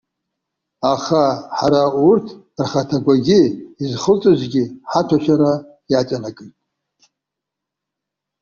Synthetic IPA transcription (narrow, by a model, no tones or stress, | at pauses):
aχaħaɾaurtʰ | rχatʰaɡʷaɡʲɪizχəlt͡sʼɨzʷɡʲɪħatʰaʃᶣaɾa | jat͡ʃʼanakʼɨjtʼ